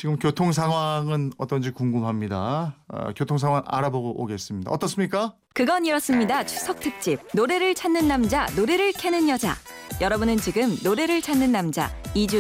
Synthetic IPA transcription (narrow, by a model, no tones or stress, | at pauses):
t͡ɕiɡɯmkjotʰoŋs̬ʰaŋɦwaŋɯnʌt͈ʌnd͡ʑikuŋɡumɦamɲida̰kjotʰoŋsʰaŋwaŋa̰ɾaboɡoʔoɡe̞s͈ɯmɲida̰ʌt͈ʌs͈ɯmɲik͈a | kɯɡʌniɾʌs͈ɯmɲidat͡ɕʰusʰʌk̚tʰɯk̚t͡ɕ͈ib̚noɾe̞ɾɯɭt͡ɕʰanːɯnːamd͡ʑanoɾe̞ɾɯɭkʰenɯnjʌd͡ʑa̰ | jʌɾʌbunɯnt͡ɕiɡɯmnoɾe̞ɾɯɭt͡ɕʰanːɯnːamd͡ʑa̰id͡ʑu